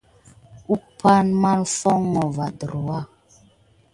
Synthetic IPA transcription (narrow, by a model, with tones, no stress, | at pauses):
u˦pʰa˦nma˦nfɔ˦ŋːɔ˨va˨də˨ɾwa˦